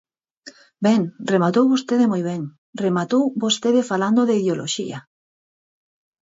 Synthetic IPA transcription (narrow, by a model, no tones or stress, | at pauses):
bɛŋremat̪owβost̪eðemojβɛŋ | remat̪owbost̪eðefaland̪oðeiðeoloʃḭa